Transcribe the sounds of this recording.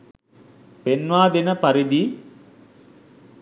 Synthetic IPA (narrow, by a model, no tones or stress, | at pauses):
penʋaːd̪inɐpɐɾid̪i